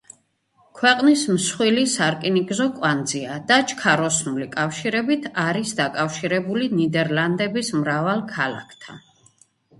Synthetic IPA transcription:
kʰwɛqʼnismsχwilisaɾkʼiniɡzɔkʼwand̪ziad̪̥at͡ʃʰʼkʰaɾɔsnulikʼafʃiɾɛbit̪ʰaɾisd̪akʼafʃiɾɛbulinid̪ɛɾland̪ɛbismɾavalˠkʰala̰kʰt̪ʰa̰n

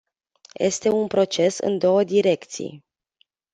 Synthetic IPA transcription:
je̞̰st̪e̞unpɾo̞t͡ʃe̞sɨ̰nd̪o̞wəd̪iɾe̞kt̪sḭj

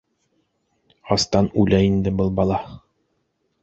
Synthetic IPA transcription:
ɑst̪ɑnʉlæind̪ɘbɤlˠbɑlˠɑ

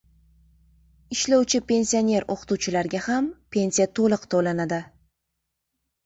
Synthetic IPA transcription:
ɪʃlawt͡ʃʰɪpʰe̞nsio̞ne̞ɾo̰qʰɨ̥t̪uwt͡ʃʰɪlaɾɡʲahampʰe̞nsijat̪ʰolˠɨqt̪ʰolanad̪ɪ

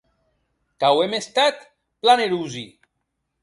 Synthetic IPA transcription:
kawemest̪at̪ | planeɾuzi

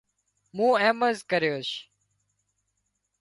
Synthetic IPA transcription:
mũːɛ̃ːməzkəɾjoːʃ

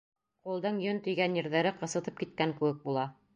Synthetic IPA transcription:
qulˠd̪ɤɴjɵnt̪ɵ̆jɡænjɘ̆ɾðæɾɘqɤ̆sɤ̆t̪ɤp̚kit̪̚kæŋkɘ̆wɘk̚bulˠɑ

